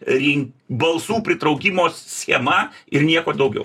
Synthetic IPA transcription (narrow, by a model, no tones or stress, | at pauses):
ɾʲɪŋbɐlˠsuːpʲɾʲɪt̪ɾɐʊkʲɪmoːssʲxʲeɛmɐɪɾnʲiɛkoːd̪ɐʊɡʲɛ̰ʊ